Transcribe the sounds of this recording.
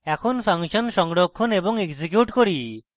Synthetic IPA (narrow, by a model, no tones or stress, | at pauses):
ɛkʰonpʰaŋʃɔnsɔŋɽɔkʰːɔnebɔŋeksik̬juʈkɔɾi